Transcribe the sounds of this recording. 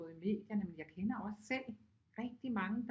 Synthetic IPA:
ðˠime̝̰ːd̥jɐnəmenjɑ̈ɪkʰenɐɒ̽sːel̰ | ʁɛɡ̥̚d̥imɑ̈ŋəd̥

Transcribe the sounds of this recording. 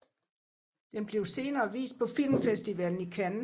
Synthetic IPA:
d̥enb̥le̝ʊse̝ːnɐːʋḭːsd̥̚pʰɒ̽fil̰mfesd̥iʋɛln̩ikʰæn

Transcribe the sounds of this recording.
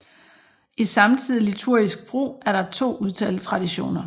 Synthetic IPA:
isɑ̈mt͡sʰið̰ˠilit͡sʰuɐ̰isɡ̥̚b̥ʁo̝̰ːæɐɾɑ̈t͡sʰo̝̰ːuð̞ˠt͡sʰɛːlst͡sʰʁɑ̈d̥iɕo̝̰ːnɐ

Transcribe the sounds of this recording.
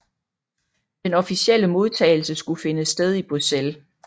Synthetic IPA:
d̥enɒ̽fisiel̰əmo̝ð̞ˠt͡sʰɛ̰ːɪl̩səsɡ̥ufe̝nəsd̥eð̞ˠib̥ʁusel

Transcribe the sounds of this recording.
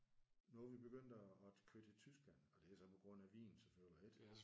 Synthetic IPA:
nɔʋib̥e̝ɡ̥øn̰d̥ɒːkʰød̥et͡sʰysɡ̥læn̰ɒ̽d̥e̝sɒ̽pʰɒ̽ɡ̥ʁɔ̽n̰æʋḭːnn̩sefølied̥

